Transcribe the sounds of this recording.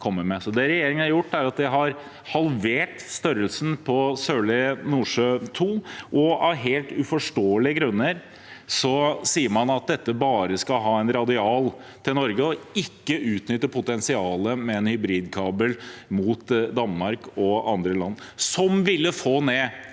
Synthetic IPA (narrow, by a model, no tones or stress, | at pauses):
kʰɔmːəmɛsɔd̪ɛɾɛjeːɾɪŋənhɑɾjʊʈːæɾɑt̪̚d̪ɛɦɑɾ | hɑlʋeːʈst̪œɾəlsn̩pʰɔsøːɭɛnuːʂøːt̪ʰuːʔɔɑʋɦeːlt̪ʉfɔʂʈoːəlɪəɡɾʉnːəɾ | sɔsiːəɾmɑnɑt̪̚d̪ɛt̪ːəbɑːɾəskɑɦɑːɛnɾɑd̪ɪɑːl | t̪ʰɪlnɔɾɡəɔɪkːəʔʉːt̪nʏt̪ːəpʰʊt̪ɛnsɪɑːləmɛɛnhʏbɾiːd̪kʰɑːbəlmuːt̪d̪ɑnmɑɾkɔɑnd̪ɾəlɑnː | sɔmʋɪlːəfoːneː